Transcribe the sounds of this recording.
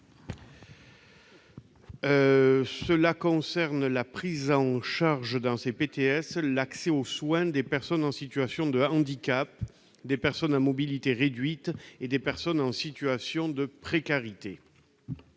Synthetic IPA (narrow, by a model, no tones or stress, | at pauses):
səlakɔ̃sɛʁnlapχizɑ̃ʃaʁʒd̪ɑ̃sepet̪eɛslakseoswɛ̃d̪epɛʁsɔnɑ̃sit̪yasjɔ̃d̪əɑ̃d̪ikap | d̪epɛʁsɔnamɔbilit̪eʁed̪ɥit̪ed̪epɛʁsɔnɑ̃sit̪yasjɔ̃d̪əpχekaʁit̪e